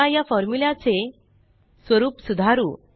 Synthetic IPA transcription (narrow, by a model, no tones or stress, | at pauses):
ajafɔɾmulat͡se | sʋəɾuːpsud̪ʱaɾṵː